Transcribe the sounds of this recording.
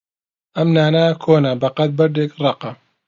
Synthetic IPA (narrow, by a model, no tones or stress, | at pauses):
ʔɐmnaːnakʰoːnɐbɐqɐt̪̚bɐɾd̪eːkrˤɑqɐ